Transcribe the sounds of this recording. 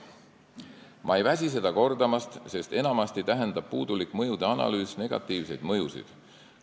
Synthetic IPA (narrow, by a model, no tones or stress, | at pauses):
mʔɑ̰e̞jvæs̬ʲis̬e̞d̪̥ɑko̞rd̪ɑmɑst̪se̞st̪e̞nɑmɑst̪it̪æɦend̪ɑb̥̚puːd̪ulikmɤ̞jud̪̥e̞ɑnɑ̰lyːsne̞ɡ̥ɑ̰t̪ˑːiːvse̞jd̪̥mɤjusḭd̪̥